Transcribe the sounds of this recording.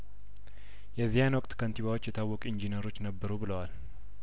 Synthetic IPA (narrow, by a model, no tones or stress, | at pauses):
jɛzːihanwɔkʼt̪kʰənt̪iβawo̞t͡ʃːjɛt̪ʰawːɔkʼind͡ʒinəɾo̞t͡ʃːnəbːəɾubɨləwal